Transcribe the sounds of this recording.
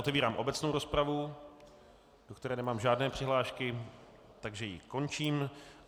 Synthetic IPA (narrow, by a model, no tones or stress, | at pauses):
ʔot̪ɛviːɾaːmʔobɛt͡sno̞wɾo̞spɾavu | do̞kt̪ɛɾɛːnɛmaːmʒaːdnɛːpr̥ɪɦlaːʃkɪ | t̪aɡʒɛjɪko̞nt͡ʃiːm